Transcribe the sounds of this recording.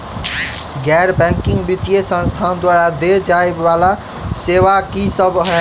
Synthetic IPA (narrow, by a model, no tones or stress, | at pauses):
ɡɛɾbɛ̃ŋkĩŋɡbit̪ijesə̃nst̪ʰand̪waɾad̪ed͡ʒaeːala | seʋakisəbɦɛ